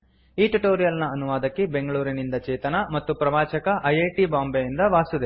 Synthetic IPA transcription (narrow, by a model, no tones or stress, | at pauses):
iːʈuʈoːɾijɐlnɐɐnuʋaːd̪ɐkːibe̞ŋɡɐɭuːɾinind̪ɐt͡ʃɛːt̪ɐnɐmɐt̪ːupɾɐʋaːt͡ʃɐkɐʔɐjeːʈibaːmbejind̪ɐʋaːsud̪e